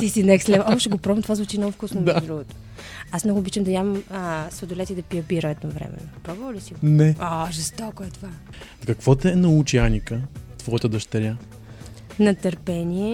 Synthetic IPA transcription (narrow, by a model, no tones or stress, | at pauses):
t̪isinɛkslɛvʔɔbʃɛɡopɾɔbɐmt̪ovazvut͡ʃinɔfkusnomɛd̪ɾuɡot̪o̥ | asmnɔɡʊːbit͡ʃəmd̪ɐjʲamməsvod̪ʊlɛt̪id̪ɐpiəbiɾəɛd̪novɾɛ̰mɛ̰nopɾɔbvəlisiɡonɛoʒɛst̪ɔkoɛt̪ova | kɐkvɔt̪ɛɛnɐut͡ʃianʲikət̪vɔɛt̪əd̪ɐʃt̪ɐɾʲa | nɐt̪ɐɾpɛnʲiɛ